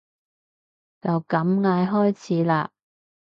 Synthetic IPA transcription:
t͡sɐ˨wkɐ˨˧˥mŋaː˧jɦɔː˥jt͡sʰiː˨˥laː˧

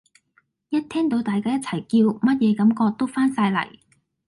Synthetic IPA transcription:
jɐ˥t̚t̪ʰɛː˥ŋt̪o˨˧˥wt̪aː˨jkaː˥jɐ˥t̚t͡sʰɐ˨˩jkiː˧wmɐ˥t̚jɛː˨˧kɐ˨˥mkɔː˧k̚t̪o˥wfaː˥nsaː˧jlɐ̰˨˩j

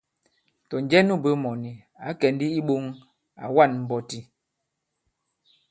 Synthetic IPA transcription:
tɔ˨n˦d͡ʒɛ˦nu˦bə˦mɔ˨ni˨ | a˨˦kɛ˨n˦di˦i˦ɓo˦ŋ | a̰˨wa˦˨nm̩˨bɔ˨ti˦

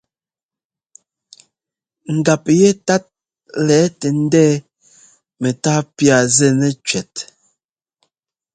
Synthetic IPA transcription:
ŋ̩˨ɡa˨p̚jɛ˦ta˦t̚ | lɛ˨˦tɛ˨n̩˦dɛ˦ | mɛ˨taː˦pja˨zɛ˦˨nɛ˦t͡ʃɥɛ˨t̚

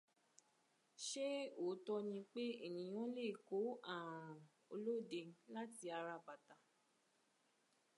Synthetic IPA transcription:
ʃe˦o˨˦tɔ˧nĩ˧k͡pe˦ḭ˦˨nĩ˨˦j̃ɔ̃˦le˦˨ko˨˦a˦˨ɾ̃ũ˨ | o̰˧lo˦˨de˧˦la˦ti˧a˧ɾa˧ba˨ta˨˦

